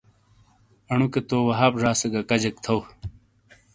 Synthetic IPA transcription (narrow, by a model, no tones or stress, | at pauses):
ɐɳuket̪oːwɐɦaːpʐaːseɡɐkɐd͡ʑek̚t̪ʰɐw